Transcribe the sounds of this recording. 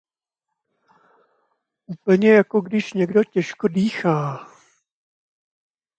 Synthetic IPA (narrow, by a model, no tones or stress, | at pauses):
ʔuːpl̩ɲɛjako̞ɡdɪʃɲɛɡdo̞cɛʃkodiːxaː